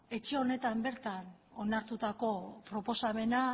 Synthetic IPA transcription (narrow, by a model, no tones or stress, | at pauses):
e̞t͡ʃe̞o̞ne̞t̪ambe̞ɾt̪ano̞naɾt̪ut̪ako̞pɾo̞po̞same̞na